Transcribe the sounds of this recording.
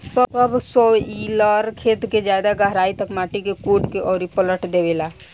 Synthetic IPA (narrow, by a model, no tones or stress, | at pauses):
səəbʱsɔiləɾkʰet̪ked͡ʒjad̪aɡəɦɾait̪əkmaʈikekuɖkeʔɔːɾipələʈd̪ebela